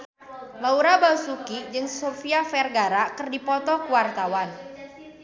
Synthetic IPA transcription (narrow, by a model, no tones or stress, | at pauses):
lauɾabausukid͡ʒɨŋsofiafɛrɡaɾakɨrdipɔt̪ɔkuwart̪awan